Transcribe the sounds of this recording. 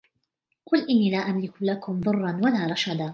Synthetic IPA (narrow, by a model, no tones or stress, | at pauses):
qʊlʔɪnːiːlaːʔamlɪklakʊmðˤʊrˤːɑnwalaːɾˤɑʃad̪a